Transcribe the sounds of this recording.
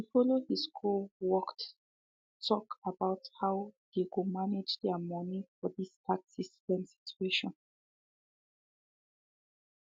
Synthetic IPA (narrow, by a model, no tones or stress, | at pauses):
tufɔlohiskʰolwɔkt | tʰɔkʰəbaʊthaʊðekomanɪd͡ʒdɛmɔnifɔðistʰaksistɛ̃msi̥t͡ʃueʃɔ̃n